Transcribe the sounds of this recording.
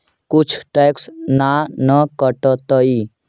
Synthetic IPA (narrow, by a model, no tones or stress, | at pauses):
kut͡ʃʰʈajksnanəkəʈət̪əi